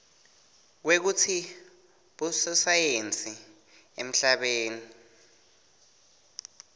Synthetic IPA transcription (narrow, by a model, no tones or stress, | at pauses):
k̬wek̬ut͡sʰi | ɓusɔsajent͡sʼi | em̩ɬaɓeːni